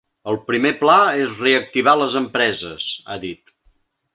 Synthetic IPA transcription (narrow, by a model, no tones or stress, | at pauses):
əlˠpɾimeplaezreək̚t̪iβ̞aləzəmpɾɛzəsa̰ðit̪